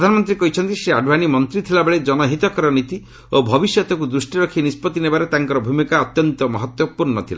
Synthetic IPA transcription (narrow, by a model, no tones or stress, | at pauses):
d̪ʱanɔmɔnt̪ɾikɔɦit͡ʃʰɔnt̪iseaɖʱbanimɔnt̪ɾit̪ʰilabeɭed͡ʒɔnɔɦit̪ɔkɔɾɔnit̪i | obʱɔbisjɔt̪ɔkud̪ɾusʈiɾɔkʰinispɔt̪ːinebaɾet̪aŋkɔɾɔbʱumikaɔt̪jɔnt̪ɔmɔɦɔt̪wɔpuɾnɔt̪ʰila̰